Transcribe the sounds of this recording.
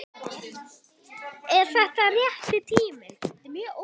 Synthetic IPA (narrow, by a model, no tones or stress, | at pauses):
ɛɾ̥θɛht̪arjɛht̪ɪt̪ʰiːmɪmo